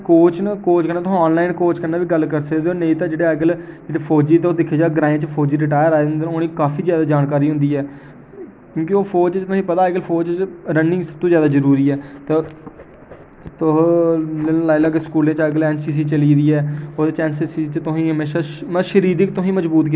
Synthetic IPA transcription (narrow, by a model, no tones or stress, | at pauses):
koːt͡ʃnəkoːt͡ʃkənãːt̪ʊsɔːnlaːɪnkoːt͡ʃkənːaːʋiːɡəlːkəɾsəkd̪eːoːnẽĩt̪ãːd͡ʒeːɽeːɡəld͡ʒeːɽeːpʰoːd͡ʒiːt̪eoːd̪ɪkʰːeːd͡ʒaːɡɾãːẽːt͡ʃəpʰoːd͡ʒiːɾɪʈaːjəɾaːẽnd̪eːoːnĩːkaːfʰiːzjaːd̪aːd͡ʒaːnkaːɾiːɦʊ̃nd̪iːɛː | kjõːkioːpʰoːd͡ʒt͡ʃt̪ʊsĩːpət̪aːɛkɪlfʰoːd͡ʒt͡ʃɾənːɪ̃ŋɡsəb̚t̪õːzjaːd̪aːzəɾuːɾiːɛːt̪e | t̪ʊɦnlaːilaːɡeskuːlẽːt͡ʃːɡəlɛːnsiːs̬iːt͡ʃəliːd̪iːɛːoːd̪et͡ʃɛːnsiːsiːt͡ʃət̪ʊsĩːɦəmeːʃaːməʃəɾiːd̪ɪkt̪ʊsĩːməzbuːt̪ki